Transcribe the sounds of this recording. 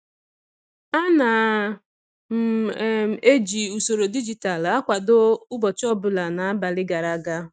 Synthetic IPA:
a˦na˨ | m̩˨˦˨ | e˦d͡ʒi˨u˨so˨ɾo˨di˦d͡ʒi˨ta˨la˦kʷa˨do˦ʊ˦bɔ˨t͡ʃɔ˦bʊ˨la˨na˨a˦ba˨lɪ˦ɡa˨ɾa˨˦ɡa˦

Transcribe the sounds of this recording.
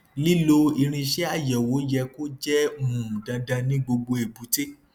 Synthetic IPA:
li˦lo˧i˧ɾ̃ĩ˧ʃɛ˦a˦˨jɛ˨wo˨˦jɛ˧ko˦d͡ʒɛ˦˨ũ˨da˧da˧nĩ˦ɡ͡bo˧ɡ͡bo˧e˨bu˨˦te˦

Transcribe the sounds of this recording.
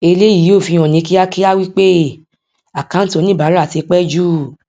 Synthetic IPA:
e˧le˦ji˨˦o˦˨fi˧j̃ɔ̃˨nĩ˧ki˦a˦ki˦a˦wi˦k͡pe˦ | a˨kã˨˦to˨˧nĩ˦˨ba˨˦ɾa˦˨ti˨˧k͡pɛ˦d͡ʒu˦

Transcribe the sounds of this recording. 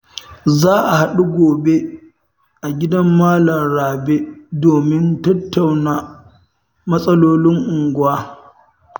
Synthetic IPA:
zaː˦ʔa˨ha˦ɗu˦ɡʷoː˨be˦ | ʔa˨ɡʲɪ˦dɐ˦mːaː˦lɐ˨nɽaː˨be˦doː˨mɪ˦ntɐ˦tːa˨wnaː˨ | mɐ˦sʼɐ˦loː˦lɪ˦ŋʔʊ˨ŋɡʷʊ˦aː˦

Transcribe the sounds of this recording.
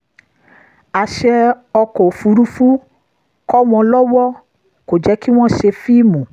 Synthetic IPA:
a˨ʃɛ˧ | ɔ˧kɔ˨fu˨˦ɾu˦fu˦ | kɔ˦w̃ɔ̃˧lɔ˦wɔ˦ | ko˨d͡ʒɛ˨˦ki˦w̃ɔ̃˦ʃe˧fi˦˨mũ˨

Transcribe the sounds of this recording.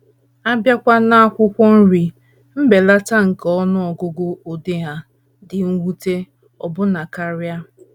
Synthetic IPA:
a˦bja˦kʷa˦na˦a˦kʷʊ˦kʷɔ˦n̩˦ɾi˨ | m̩˦be˨la˦ta˦ŋ̩˨kɔ˦nʊ˦ɔ˨ɡo˦ɡo˦o˨de˦ɦa˦ | dɪ˨ŋ̩˦wu˦te˦ | ɔ˨bʊ˦na˨ka˦ɾja˦

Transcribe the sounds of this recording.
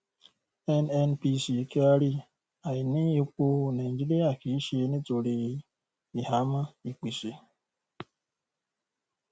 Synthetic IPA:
e˦ne˦npi˦si˨e˨ke˦a˦ɾi˦ | a˨ɪ˨ni˦e˦k͡po˦ne˨n̩˨d͡ʒi˦le˦a˨ki˨i˦ʃe˨˦ne˦to˨ɾe˨ɣi˦ | i˨ha˦ma˦i˨k͡pi˨se˨

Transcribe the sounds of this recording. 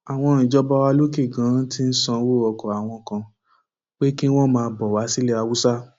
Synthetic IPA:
a˨w̃ɔ̃˧˦˧ɾ̃ĩ˨d͡ʒɔ˦ba˦wa˧lo˦ke˦˨ɡã˨˦ti˦n̩˦sã˧˦wo˦˨ɔ˧˨kɔ˨a˨w̃ɔ̃˧kã˧ | k͡pe˦ki˦w̃ɔ̃˦mãː˧bɔ˨wa˨˦si˦lɛ˦a˧wu˦sa˦

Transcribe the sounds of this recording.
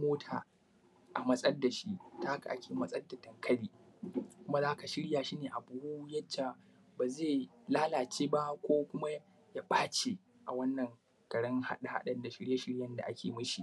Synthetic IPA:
moː˦tʰaː˨ | ʔa˨mɐ˦sʼɐ˦dːa˨ʃi˦ta˦ka̰˨ʔa˦kʲʰeː˨mɐ˦sʼɐ˦dːa˨tɐ˨ŋkʰɐ˦ɽiː˦kʷʊ˦ma˦zaː˦ka˨ʃɪ˦ɽjaː˨ʃi˦neː˨ʔa˨bʊ˨hu˦jɐ˦d͡ʒa˨ | baː˨zeː˦˨ | laː˦laː˨t͡ʃeː˦ba˦kʷoː˦kʷʊ˦ma˦ | ja˦ɓaː˦t͡ʃe˨ | ʔa˨wɐ˦nːɐ˨ŋ | ɡ̥ɐ˨ɽɐ˦ŋha̰˦ɗa˨ha̰˦ɗɐ˨nda˨ʃɪ˦ɽja˦ʃɪ˦ɽjɐ˦nda˨ʔa˦kʲʰeː˨mɐ˦ʃi˨

